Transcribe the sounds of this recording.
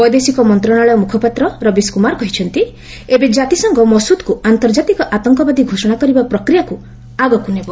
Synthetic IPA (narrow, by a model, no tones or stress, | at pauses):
ɔjd̪esikɔmɔnt̪ɾɔɽ̃aɭɔjɔmukʰɔpat̪ɾɔɾɔbiskumaɾkɔɦit͡ʃʰɔnt̪i | ebed͡ʒat̪isɔŋɡɔmɔsud̪kuant̪ɔɾd͡ʒat̪ikɔʔat̪ɔŋkɔbad̪ʱiɡʱosɔɽ̃akɔɾibapɾɔkɾijaku | aɡɔkunebɔ